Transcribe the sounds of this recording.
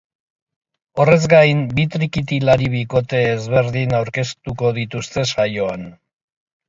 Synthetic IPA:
o̞re̞zɡajmbit̪ɾikit̪ilaɾiβiko̞t̪e̞ːzβe̞ɾðinawɾke̞st̪uko̞ðit̪ust̪e̞sajo̞an

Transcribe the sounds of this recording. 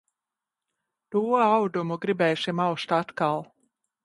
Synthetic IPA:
d̪̥uawd̪umuɡɾibɛjsimawst̪at̪kalˠ

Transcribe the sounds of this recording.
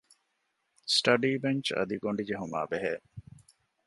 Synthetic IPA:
sʈɐɖiːbeɲt͡ʃɐ̰d̪iɡoɳɖid͡ʒeɦuma̰ːbeɦeː

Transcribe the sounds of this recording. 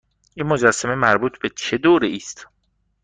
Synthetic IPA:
inmod͡ʒæsːæme̞mæɾbuːt̪ʰbe̞t͡ʃʰe̞d̪oːɾeiːst̪

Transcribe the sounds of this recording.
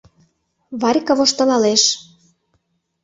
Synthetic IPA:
βɑɾʲkɤ̆βoʃt̪ɤ̆lɑleʃ

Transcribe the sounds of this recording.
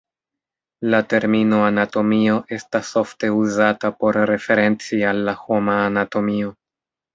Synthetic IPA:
late̞ɾmino̞anato̞mio̞ʔe̞staso̞fte̞uzatapo̞ɾɾe̞fe̞ɾe̞nt͡sialːaho̞maːnato̞mio̞

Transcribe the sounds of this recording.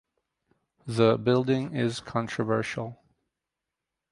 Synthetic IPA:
ðəbɪlˠdɪ̃ŋɪz̥kʰɑ̃ntt͡ʃʰɹ̥ɨvɜ̰˞ʃl̩ˠ

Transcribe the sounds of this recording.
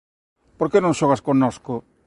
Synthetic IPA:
poɾkenõŋ̃ʃoɣaskonosko

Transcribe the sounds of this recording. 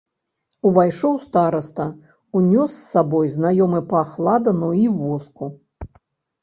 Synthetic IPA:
uvajʂɔwst̪aɾɐst̪ɐ | unʲɔsːabɔjznajɔmɨpɐxlˠad̪ɐnuivɔsku

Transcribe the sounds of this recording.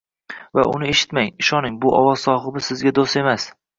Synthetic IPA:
va̰ʔʊ̰nɪe̞ʃɪ̥t̪maŋɪʃɒnɪŋbʊʔɒ̰wɒz̥sɒχɨbɪsɪzɡʲad̪ost̪e̞mas

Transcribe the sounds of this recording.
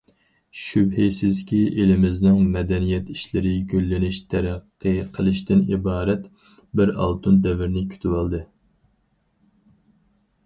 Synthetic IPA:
ʃybhejsɪzkʲiʔelɪmɪznɪŋmɛd̪ɛnijɛt̪iʃlɪɾɪɡʲølːɪnɪʃt̪ʰɛɾæqːɨqʰəlˠɨʃt̪ɪnḭbɑːɾɛt̪ | bɪɾɑ̰lˠt̪ʰund̪ɛvɪɾnɪkʲʰy̥t̪ʰywɑlˠd̪ɨ

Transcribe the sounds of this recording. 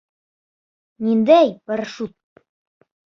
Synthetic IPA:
nind̪æjbɤ̆ɾʃut̪̚

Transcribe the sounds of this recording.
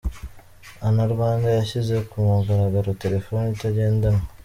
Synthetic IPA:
anaɾuβaːŋɡajaʃizekumoɡaɾaɡaɾoteɾefonitaɟe̞ːndama

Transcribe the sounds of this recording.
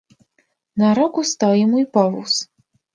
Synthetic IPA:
naɾɔkust̪awjamuipɔvṵs

